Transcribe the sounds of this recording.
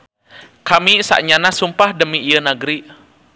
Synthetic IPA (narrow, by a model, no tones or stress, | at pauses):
kamisa̰ʔɲanasumpahdəmiːjənəɡɾi